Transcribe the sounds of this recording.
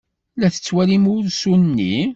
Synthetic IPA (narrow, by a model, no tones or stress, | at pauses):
læθə̥t͡sːwælimʊɾsunnːi